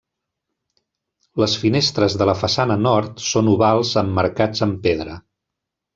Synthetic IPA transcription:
ləsfinest̪ɾəzðələfəsanənɔɾt̪sonuβalˠzəmːəɾkad͡zəmpeðɾə

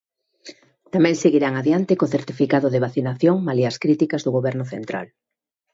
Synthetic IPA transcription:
t̪amɛ̃ŋseɣiɾaŋaðjant̪ɪkoθeɾt̪ifikaðʊðɪβ̞aθinaθjoŋmaliaskɾit̪ikɐzðʊɣoβɛɾnʊθent̪ɾa̰l

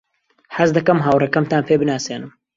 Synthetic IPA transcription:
ħɐzd̪ɐkɐmɦaːwrɛkɐmt̪aːnpeːbɨnaːseːnɨm

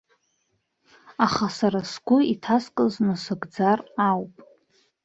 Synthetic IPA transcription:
aχasaɾasɡʷʊitʰaskʼɨznɨsɨɡd͡zarawpʼ

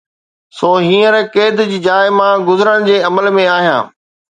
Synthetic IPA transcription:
soːɦĩːəɾkeːd̪d͡ʑid͡ʑaːɪmãɡʊzəɾəɽ̃d͡ʑeːɐməlmẽaːɦijã̰ː

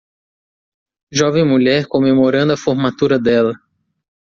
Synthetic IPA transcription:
ʒɔvẽj̃muʎɛɾkõmemoɾɐ̃nd̪ʊɐfoɾmat̪uɾɐd̪ɛlɐ

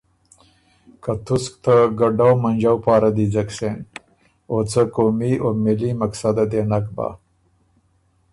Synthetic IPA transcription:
kat̪usk̚t̪aɡɐɖawmɐnd͡ʒawpaːɾad̪id͡zɐksen | oːt͡səkoːmioːmilimɐksad̪ad̪eːnakba̰

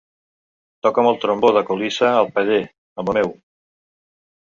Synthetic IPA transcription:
t̪ɔkəməlˠt̪ɾomboðəkulisəːlˠpəʎe | əməmɛw

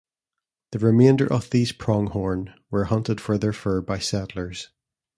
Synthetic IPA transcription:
ðəɹɪmẽndə̰˞ʔəvðiːz̥pʰɹ̥ɔ̃ŋhɔɹnwə˞hʌ̃ntɪd̥fə˞ðə˞fɜ˞baɪsɛʔl̩ˠə˞z̥

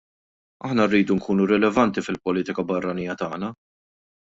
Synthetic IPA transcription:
ɐħnɐrːiːd̪uŋkʰuːnuɾɛlɛvɐnt̪ifɪlpɔliːt̪ɪkɐbɐrːɐniːjɐt̪ɐːnɐ

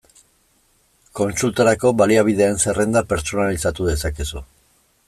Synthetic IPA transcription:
ko̞nt͡sult̪aɾako̞βaliaβ̞ið̞e̞ːnse̞re̞nd̪ape̞ɾt͡so̞nalisat̪uðe̞sakesu

